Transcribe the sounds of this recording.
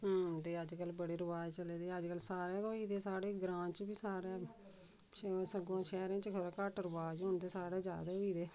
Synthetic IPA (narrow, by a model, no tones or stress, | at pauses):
ɦoːnd̪eːəd͡ʒkəlbəɽiːɾəʋaːd͡ʒt͡ʃəleːd̪iːəd͡ʒkəlsaːɾeːoːiːd̪eːsaːɽeːɡɾãːnt͡ʃbiːsaːɾɛː | səɡõːʃɛːɾẽːt͡ʃkʰəɾkəʈɾəʋaːd͡ʒɦʊ̃nd̪eːsaːɽeːd͡ʒja̰ːd̪eːɦoːiːd̪eː